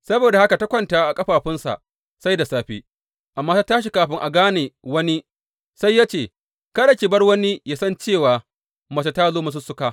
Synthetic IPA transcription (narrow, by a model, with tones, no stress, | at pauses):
sɐ˦boː˨da˨ha˦ka˨ta˦kʷɐ˦˨ntaː˨ʔa˨kʼɐ˦ɸaː˨ɸɪ˦nsa̰˨ʔ | sa˦jda˨saː˦ɸiː˦ | ʔa˨mːaː˦ta˦taː˦ʃi˨kaː˨ɸɪ˦ŋʔa˨ɡaː˦neː˨wɐ˦ni˦ | sa˦jːaː˦t͡ʃeː˨ | kɐ˦da˨kʲiː˨bɐ˦rwɐ˦ni˦ja˦sɐ˦nt͡ʃeː˦˨waː˨ | mɐ˨sa˨taː˦zoː˦mɐ˦s̬ʊ˦sʊ˦kaː˦